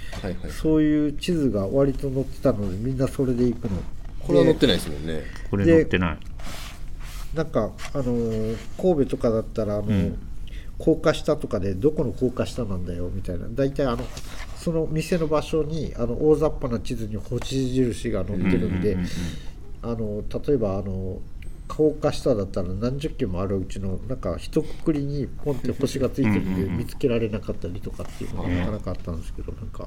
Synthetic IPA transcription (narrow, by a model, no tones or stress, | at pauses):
haso̞ːjɯ̟ːt͡ɕizɨɡaβaɾʲit̪o̞no̞t̪ːe̞̥t̪ano̞d̪e̞mʲĩnːaso̞ɾe̞d̪e̞ikɯ̟no̞̰koɾeanot̪ːeaismõ̰nːekoɾed̪e̞t̪ːena̰i | nãŋkaːno̞ko̞ːbe̞t̪o̞kad̪at̪ːaɾaːno̞ | kʰo̞ːkaɕi̥t̪at̪o̞kad̪e̞d̪o̞ko̞noko̞ːkaɕi̥t̪anãnd̪ajo̞mʲit̪aina̰d̪ait̪aiano̞so̞no̞mʲise̞no̞baɕo̞ɲ̟iano̞ʔoːzapːanat͡ɕizɨɲ̟iho̞ɕiʑiɾɯ̟ɕiɡano̞t̪ːe̞ɾɯ̟̃nd̪e̞ | ano̞t̪at̪o̞e̞baːno̞kʰoːkaɕi̥t̪ad̪at̪ːaɾanãɲ̟d͡ʑɨkʲːẽmːoaɾɯ̟ɯ̟t͡ɕino̞nãŋka̰çi̥t̪o̞kɯ̟̥kɯ̟ɾʲiɲ̟ipõ̞nt̪ːe̞ho̞ɕiɡat͡sɨit̪e̞ɾɯ̟d̪emʲit͡sɨ̥ke̞ɾaɾe̞nakat̪ːaɾʲit̪o̞kat̪ːḛiɯ̟̰noa̰kanakat̪ːãnd̪esɨ̥ke̞d̥̪o̞̰nãŋka̰